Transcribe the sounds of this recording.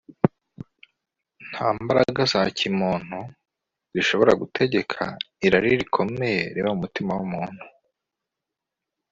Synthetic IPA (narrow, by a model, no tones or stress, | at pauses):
n̥haːmbaɾa̰ɡazacimoːn̥hu | ziʃo̞βo̞ɾa̰ɡutʰe̞ɟe̞kʰa̰ | iɾaɾiɾikʰo̞me̞je̞ɾeːβamumutimawumuːn̥hu